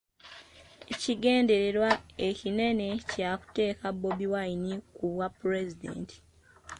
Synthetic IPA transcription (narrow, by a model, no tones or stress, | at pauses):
ciɡe̞ːnde̞ɾe̞ɾwaecine̞ne̞caku̥te̞ːkabːo̞biwainikuβwapːuɾe̞zidḛːnti̥